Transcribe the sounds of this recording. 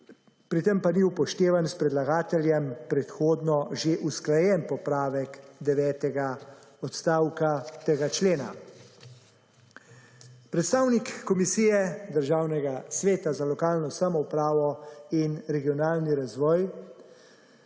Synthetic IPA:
pɾit̪ɛmpaniuwpɔʃt̪eːʋanspɾɛd̪laɡaːt̪ɛljɛmpɾɛt̪xoːd̪nɔʒeʔusklajɛnpɔpɾaːʋɛkd̪ɛʋɛːt̪ɛɡaɔt̪st̪aːwkat̪eːɡat͡ʃleːna̰ | pɾɛt̪st̪aːwnikːɔmisiːjɛd̪əɾʒaːwnɛɡasʋeːt̪azalɔkaːlnɔsamɔwpɾaːʋɔinɾɛɡijɔnaːlniɾazʋɔːj

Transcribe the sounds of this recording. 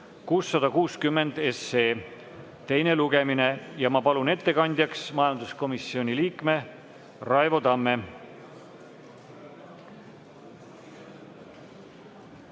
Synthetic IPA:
kuːsːɑd̪̥ɑkuːskymːe̞nd̪̥e̞seː | t̪e̞jne̞luɡe̞mine̞jɑmɑpɑlune̞t̪ːe̞kɑnʲd̪jɑksmɑjɑnd̪̥usko̞misːio̞nʲiliːkme̞ | rɑevo̞t̪ɑmːe̞

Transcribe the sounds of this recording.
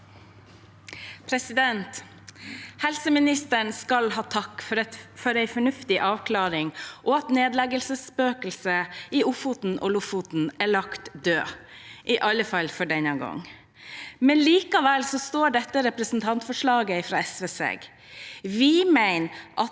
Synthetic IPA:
pʰɾɛsɪd̪ɛnt̪ | hɛlsəmɪnɪst̪əɳskɑlɦɑːt̪ʰɑkːfɔfɔɾæɪfɔɳʉft̪ɪʔɑːʋkʰlɑːɾɪŋʔɔɑt̪neːd̪lɛɡəlsəspøːkəlsəɪʊfʊt̪n̩ʔɔ̰lʊfʊt̪n̩æɭɑkt̪d̪øːʔɪʔɑlːəfɑlfɔɖɛnəɡɔ̰ŋː | mɛnliːkɑʋɛlsɔst̪oːɖɛt̪ːəɾɛpɾəsn̩t̪ʰɑnt̪fɔʂɭɑːɡəɪfɾɑːɛsʋeːsḛɡ | ʋɪmæɪnʔɑt̪

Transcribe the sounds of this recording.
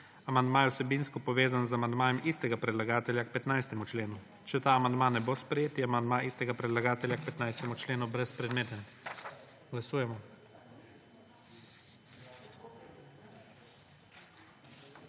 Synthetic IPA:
amand̪maːjɛusɛbinskɔpɔʋeːzanzamand̪maːjɛmist̪ɛɡapɾɛd̪laɡaːt̪ɛljak̚pɛt̪najst̪ɛmut͡ʃleːnu | t͡ʃɛt̪aːamand̪maːnɛbospɾɛjeːt̪jɛamand̪maʔist̪ɛɡapɾɛd̪laɡaːt̪ɛljak̚pɛt̪najst̪ɛmut͡ʃleːnubɾɛspɾɛd̪meːt̪ɛ | ɡ̥lasuːjɛmɔ

